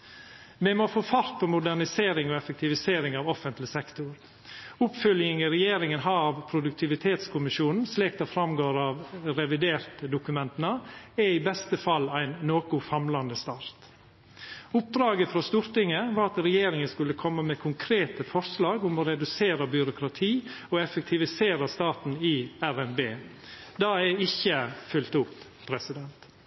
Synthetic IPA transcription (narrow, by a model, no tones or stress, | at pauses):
mɛmoːfoːfɑɾt̪̚pʰɔmʊd̪æɳɪseːɾɪŋɔɛfək̚t̪ʰɪʋɪseːɾɪŋɑːʋɔfənt̪lɪsɛkt̪ʊɾ | ʊpfœljɪŋəɾɛjeːɾɪŋənɦɑːʋpʰɾʊd̪ʉk̚t̪ʰɪʋɪt̪ʰeːt̪skʰʊmɪʃuːnn̩sliːk̚d̪ɑːfɾɑmɡoːɾɑːʋɾɛʋɪd̪eːɾt̪d̪ʊkʉmɛnt̪ənəɛɪbɛst̪əfɑlːæɪnːoːkʊfɑmlɑnd̪əst̪ɑːɾt̪ | ʊp̚d̪ɾɑːɡəfɾɑst̪ʉɾt̪ɪŋəʋɑːɾɑt̪ɾɛjeːɾɪŋəskʉlːəkʰɔmːəmɛkʰʊŋkʰɾeːt̪əfɔɾslɑːɡʊmɔɾɛd̪ʉseːɾəbjʏɾʊkʰɾɑt̪ʰiːɔɛfək̚t̪ʰɪʋɪseːɾəst̪ɑːt̪n̩ɪæɾɛnbeː | d̪ɑɛɪçːəfʏlt̪ʊp | pʰɾɛsɪd̪ɛnt̪